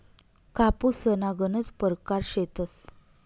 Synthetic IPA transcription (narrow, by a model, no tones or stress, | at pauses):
kapusənaɡənət͡spəɾkaɾɕet̪əs